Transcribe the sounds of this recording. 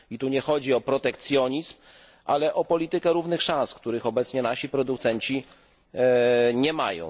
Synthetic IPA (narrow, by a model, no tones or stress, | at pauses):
it̪uɲɛxɔd͡ʑiɔpɾɔt̪ɛkt̪sʲjɔɲizm | ʔalɛʔɔpɔlʲit̪ɘkɛɾuvnɘxʂãskt̪uɾɘxɔbɛt̪sɲɛnaɕipɾɔd̪ukt̪sɛɲt͡ɕi | ɲɛma̰jɔ̰̃w̃